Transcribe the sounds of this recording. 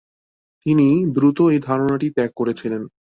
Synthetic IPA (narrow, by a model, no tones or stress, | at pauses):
t̪inid̪ɾut̪oejd̪ʱaɾonaʈipɛkːoɾet͡ɕʰilen